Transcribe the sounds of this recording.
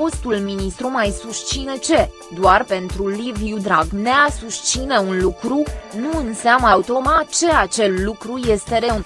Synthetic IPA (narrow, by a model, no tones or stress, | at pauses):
o̞st̪ulminist̪ɾumajsuʃt̪t͡ʃine̞t͡ʃe̞ | d̪oarpe̞nt̪ɾuliviud̪ɾaɡne̞asuʃt̪t͡ʃine̞unlukɾunuɨnseaməaut̪o̞mat͡ʃe̞at͡ʃe̞llukɾuje̞st̪e̞ɾe̞un